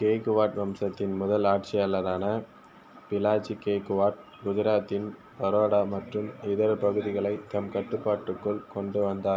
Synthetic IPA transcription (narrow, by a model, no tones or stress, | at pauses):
keːkɯʋaːʈʋɐmsɐt̪ːɪnmʊðɐlaːʈ̚t͡ʃɪɐlːɐðaːnɐ | pɪlaːt͡ʃːikeːkɯʋaːʈ̚ | ɡʊðɪɾaːt̪ːɪn | pɐɾoːɽaːmɐʈrɯmɪðɐɾpɐɣɯðɪɣɐɭɐɪt̪ɐmkɐʈːɯpːaːʈːɯkːɯɭkɔɳɖɯʋɐnd̪aː